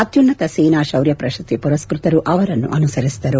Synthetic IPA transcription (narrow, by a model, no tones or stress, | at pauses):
ɐt̪junːɐt̪ɐsiːnaːʃɐwɾjɐpɾɐʃɐt̪ːipuɾɐskɾut̪ɐɾuʔɐʋɐɾɐnːṵʔɐnusɐɾisid̪ɐɾu